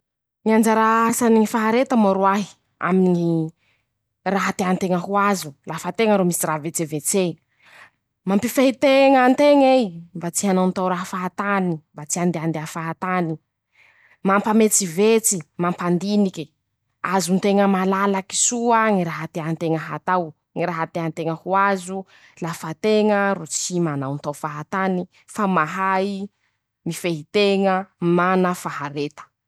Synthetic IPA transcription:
ŋiand͡zaɾaasaniŋifaɦaɾet̪əmaɾuaɦi̥ | a̰miniŋi | raɦat̪eant̪eŋəɦuazulafat̪eŋəɾomisiravet͡sevet͡se | mampifait̪eŋənt̪eŋembat͡siɦanont̪awɾaɦafaɦat̪animbat͡siand̪eand̪eafaɦat̪ani | mampamet͡sivet͡simampand̪iniki | azunt̪eŋəmalalaki̥suaŋiɾaɦat̪eant̪eŋəɦat̪aw | ŋiɾaɦat̪eant̪eŋəhuazu | lafat̪eŋəɾut͡simanawnt̪awfaɦat̪ani | famaɦaji | mifeɦit̪eŋəmanəfahaɾet̪ə̥

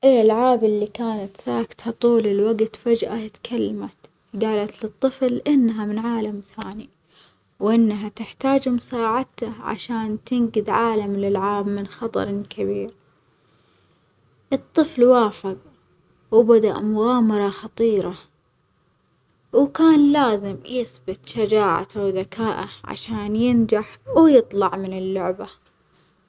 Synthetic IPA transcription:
ʔɪlalʕaːbɪlːikaːnat̪saːkt̪hat̪ˤuːlɪlwaɡt̪fad͡ʒʔat̪kʰalːamat̪ | ɡaːlat̪lɨt̪ˤːɨflʔɪnːaɦamɪnʕaːlamθaːni | wʔɪnːaɦat̪ɪħt̪aːd͡ʒmʊsaːʕat̪aʕa̰ʃaːnt̪ɪŋɡɪd̪ʕaːlamlɪlʕaːbmɪnxɑt̪ˤɑ̰ɾˤkʰabiːɾ | ʔɨt̪ˤːɨflwaːfɪɣ | wbad̪aʔmʊɣaːmɑɾˤɑxɑt̪ˤiːɾa | wkaːnlaːzɪmjɪθbɪt̪ʃad͡ʒaːʕa̰awðakʰaːʔa̰ʕa̰ʃaːnjɪnd͡ʒaħwjɨt̪ˤlɑʕmɪnɪlːʊʕba

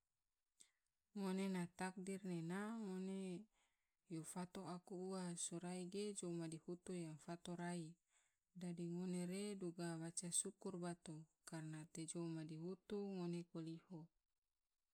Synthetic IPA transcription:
ŋonenat̪ak̚dirnenaŋone | jofat̪oakuuasoɾaiɡed͡ʒomadihut̪ujaŋfat̪oɾai | dadiŋoneɾeduɡawat͡ʃasukurbat̪okarnat̪ed͡ʒomadiɦut̪uŋonekoliho

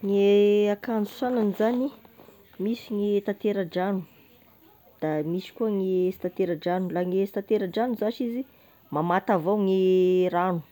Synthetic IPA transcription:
ŋeakand͡zu̥sananizani | misiŋit̪at̪eɾaɖ͡ʐanu | d̪̥amisi̥kuəŋest̪at̪eɾaɖ͡ʐanulaŋest̪at̪eɾaɖ͡ʐanuzaʃizi | mamat̪avawŋiɾanu̥

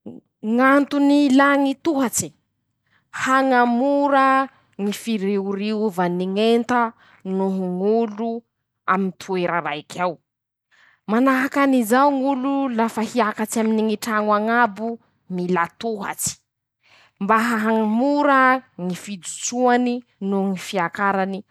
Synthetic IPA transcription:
ŋant̪unilaŋit̪uɦat͡ʃi̥ | haŋamuɾə | ŋifiɾiuɾiuvaniŋent̪a | nuɦuŋulu | amint̪ʰueɾəɾajkʰaw | manaɦakanizawŋululafahiakat͡ʃaminiŋiʈ͡ʂaŋwaŋabu | nilat̪uɦa̰t͡si̥ | mbaɦaɦaŋamuɾəŋifid̪ut͡ʃuani | nuŋifiakaɾani

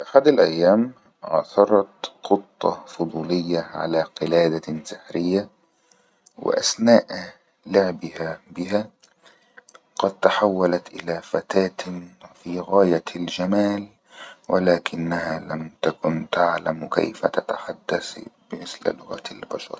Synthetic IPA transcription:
ʔaħad̪alʔajːaːm | ʕɑ̰θɑɾˤɑt̪qʊt̪ˤːɑfʊd̪ˤuːlɪjːaʕa̰laːqɪlaːd̪asɪħɾɪjːa | wɪ̰ʔa̰snaːʔ | lʊʕbɪhabɪɦa | qɑd̪̚t̪aħawːalat̪ʔɪlafat̪aːt̪fiːɣaːjald͡ʒamaːl | wɪlaːkʰɪnːahalamt̪akʊnt̪aʕlamka̰jfa̰t̪at̪aħad̪ːaθb̥ɪmɪsl̰lʊɣa̰t̪albaʃɑ̰ɾˤ

